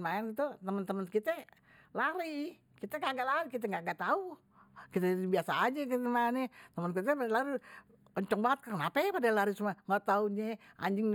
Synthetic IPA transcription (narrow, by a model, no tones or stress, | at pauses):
maɛnɡit̪ut̪əmənt̪əmənkit̪ɛ | laɾi | kit̪ɛŋɡaŋɡaʔlaɾikit̪̬ɛŋɡaʔɡaʔt̪au | kit̪ɛibiasaːd͡ʒakit̪ɛmanɛt̪əmənk̬it̪̬ɛalaɾi | ɔɲt͡ʃɔŋbaŋət̪̚kəənapɛpadalaɾisumaŋət̪auɲɛʔa̰ɲd͡ʒɪŋ